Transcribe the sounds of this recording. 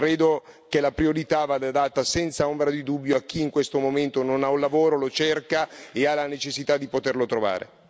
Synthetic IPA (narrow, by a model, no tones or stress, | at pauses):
kɾeːd̪ok̟elapɾioɾit̪avad̪ad̪at̪ːasɛnt̪saombɾad̪id̪ubːjoak̟ːiːŋkwest̪omoment̪ononaulːavoːɾolot͡ʃerkaealanet͡ʃesːit̪ad̪ːipot̪erlot̪ɾova̰ːɾḛ